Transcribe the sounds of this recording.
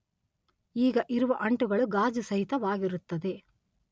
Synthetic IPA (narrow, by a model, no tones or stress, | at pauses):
iːɡɐʔiɾuʋɐʔɐɳʈɯɡɐɭuɡaːd͡ʒɯsɐɦɪt̪ɐʋaːɡɪɾut̪ːɐd̪e